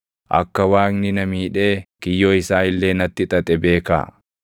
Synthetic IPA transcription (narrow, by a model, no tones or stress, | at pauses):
ʔɐ̰kːɐwaːknɪnɐmiːᶑe̞ːkɪjːoːɪsaːɪlːe̞ːnɐt̪ːɪt̪ʼɐt̪ʼɛbe̞ːka̰ː